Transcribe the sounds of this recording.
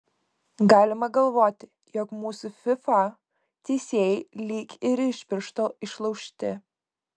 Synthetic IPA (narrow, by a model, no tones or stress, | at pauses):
ɡɑːlʲɪmɐɡɐlˠʋoːt̪ʲɪ | jɔːkmuːsʊfʲɪfɑ | t̪ʲɛːsʲeːjlʲiːkʲɪɾɪʃʲpʲɪɾʃt̪oːɪʃlˠɐʊʃʲt̪ʲɪ